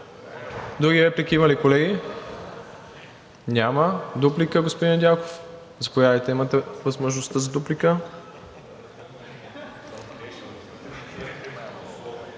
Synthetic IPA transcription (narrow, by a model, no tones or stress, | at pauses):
d̪ɾuɡʲivɛplikʲiimɐlikolɛɡi | nʲaməd̪uplikəɡospod̪ind̪ʲako̥f | zɐpojadɐjt̪ɛimət̪ɛvəzmoʒnost̪əzɐd̪uplikə